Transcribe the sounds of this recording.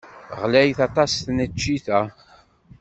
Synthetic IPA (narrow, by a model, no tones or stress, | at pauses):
ʁlæjθɑt̪ˤɑsθnət͡ʃːiθæ